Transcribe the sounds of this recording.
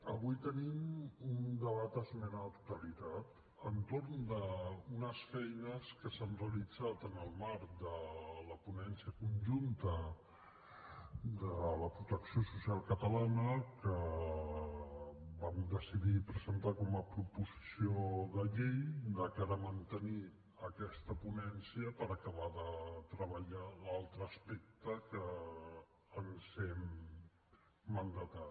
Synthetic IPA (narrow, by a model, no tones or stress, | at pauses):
əβujt̪ənimund̪əβat̪əzmɛnaət̪ut̪əlit̪at̪ | ənt̪oɾnd̪əunəsfɛjnəskəsanreəlid͡zat̪ənəlˠmaɾd̪ələpunɛnsiəkunʲʒunt̪ə | d̪ələpɾut̪əksijosusialˠkət̪əlanəkə | bamd̪əsiðipɾəzənt̪akɔməpɾupuzisioðəʎejd̪əkaɾəmənt̪əni | əkɛst̪əpunɛnsiəpəɾəkəβaðət̪ɾəβəʎalalˠt̪ɾəːspek̚t̪əkəː | nzɛm | ənd̪at̪a